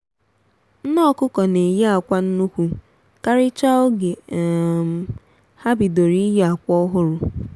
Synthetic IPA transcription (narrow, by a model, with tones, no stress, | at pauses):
n̩˦nɔ˦kʊ˦kɔ˨ne˨je˦a˨kʷa˦n̩˦nu˦kʷu˦ | ka˦ɾɪ˦t͡ʃa˦ʊ˦ɡe˨ | ha˦bi˨do˨ɾi˦je˦a˨kʷɔ˦ɦʊ˦ɾʊ˨